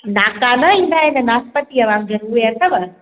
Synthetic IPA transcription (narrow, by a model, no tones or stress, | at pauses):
naːkanɐĩnaenɐnaːspət̪iɐʋãːŋɡɐɾueɐt̪ʰɐʋa